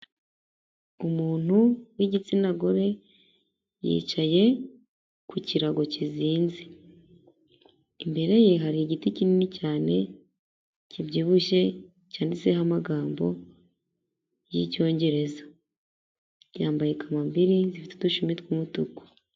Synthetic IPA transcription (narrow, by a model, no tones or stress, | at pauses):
umuːn̥uwiɟit͡sinaɡo̞ɾe̞ | jḭːt͡ʃaje̞ | kuciɾaɡo̞ciziːnzi | imbe̞ɾe̞je̞ɦaɾiiɟiticininicaːne̞ | cibɟiːβuʃe̞ | caːndiseɦamaɡaːmbo̞̰ | jḭco̞ːɲɟe̞ɾe̞za | jaːmbajekʰamambiɾizifitu̥duʃumitkumutuku̥